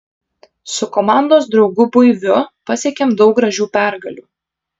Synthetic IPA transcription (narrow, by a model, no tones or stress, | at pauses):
sʊkɔmɑˑnd̪oːsd̪ɾɒʊɡʊbʊɪʋʲʊpɐsʲeɛkʲeːmd̪ɒʊk̚ɡɾɐʒʲuːpʲæˑɾɡɐlʲuː